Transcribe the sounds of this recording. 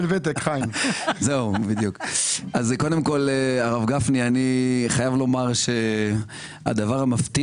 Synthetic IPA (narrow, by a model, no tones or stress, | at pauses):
lvet̪̬ekχajmze̞ubid̪jukʔazko̞d̪emko̞leaʁavɡafnianiχajavlo̞maʁʃe | a̰d̪avaʁamaft̪i